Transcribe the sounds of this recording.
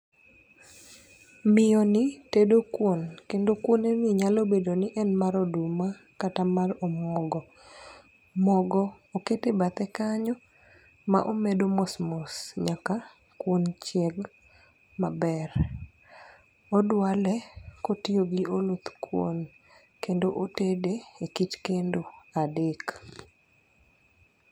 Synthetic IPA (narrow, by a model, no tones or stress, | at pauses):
mɪjɔnɪtedokwonkendokwonemiɲalobedonɪʔɛnmaɾoduma | katamaromɔɡɔ | mɔɡɔoketebat̪ɛkaɲɔ | ma̰ʔomedomɔsmɔsɲaka | kwont͡ʃjɛɡ | mabɛr | odwalɛkotioɡiʔolut̪kwo̰n | kendoʔotedeekitkendoadek